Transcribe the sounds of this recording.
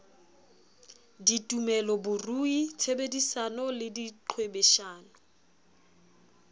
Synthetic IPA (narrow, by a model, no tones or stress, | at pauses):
ditʼumɛlɔbʊruit͡sʰebedisanɔlɪdiǃʰwebeʃaːnɔ